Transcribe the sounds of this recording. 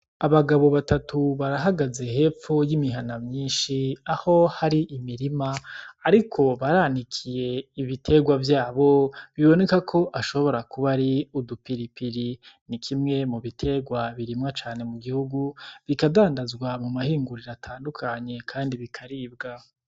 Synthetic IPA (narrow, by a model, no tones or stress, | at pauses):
aβaɡaβo̞βatatʰuβaɾaɦaɡaze̞he̞ːfujimiɦanamɲiːnʃiaho̞haɾiʔimiɾimaːɾikʰo̞βaɾaːnikʰije̞iβitʰe̞ɡwavjaːβo̞βiβo̞ne̞kakʰo̞ʔaʃo̞βo̞ɾakuβaɾiudupiɾipiɾinikʰimŋe̞muβitʰe̞ɡwaβiɾimŋat͡ʃaːne̞muɡihuɡuβikadaːndazɡwamumahiːŋɡuɾiɾatʰaːndukʰaɲe̞kʰaːndiβikʰaɾiːbɡa